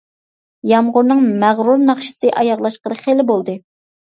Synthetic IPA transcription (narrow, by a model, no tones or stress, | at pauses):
jɑmʁʊɾnɨŋmæʁɾuɾnɑχʃi̥sɨʔɑjɑʁlˠɑʃqəɾɨχelɪbolˠd̪ɨ